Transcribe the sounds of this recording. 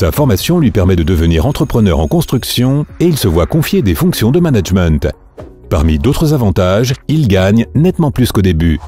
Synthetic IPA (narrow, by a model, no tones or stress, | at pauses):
sa̰fɔʁmasjɔ̃lɥipɛʁmɛd̪əd̪əvəniʁɑ̃t̪χəpχənœʁɑ̃kɔ̃st̪χyksjɔ̃eilsəvwakɔ̃fjed̪efɔ̃ksjɔ̃d̪əmanaʒmɛ̃t̪ | pa̰ʁmid̪ot̪χəzavɑ̃t̪aʒilɡaɲnɛt̪mɑ̃plyskod̪eby